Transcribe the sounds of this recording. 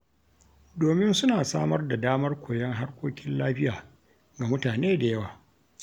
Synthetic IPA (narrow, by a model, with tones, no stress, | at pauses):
doː˨mɪ˦nsʊ˦naː˨saː˦mɐ˦rda˨daː˦mɐ˦rkʷʰoː˨jɛ˦ŋɦa˦rkʷoː˦kʲɪ˦nlaː˦ɸɪ˦jaː˨ | ɡa˨mʊ˦taː˨neː˦da˨jɐ˦waː˨